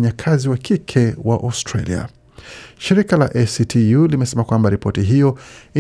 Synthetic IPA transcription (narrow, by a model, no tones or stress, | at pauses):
ɲakʰaziwakʰikʰɛwaʔastɾalḭa̰ | ʃiɾikala̰ʔɛsitʰijulimɛsɛmakwambaɾipɔtiɦijɔi